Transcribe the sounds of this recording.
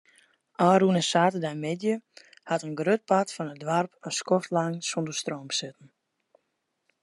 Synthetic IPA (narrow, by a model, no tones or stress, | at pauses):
ʔaːɾunəsaːtədajmɪdjə | hatənɡrøt̚patfɔnət̚dʋarpənskɔftlaŋsondərstroːmbsɪtən̩